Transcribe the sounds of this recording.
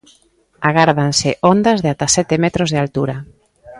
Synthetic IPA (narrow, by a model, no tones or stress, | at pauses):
aɣaɾðansɪʔond̪azðeat̪asɛt̪emɛt̪ɾozð̞eɪalt̪uɾa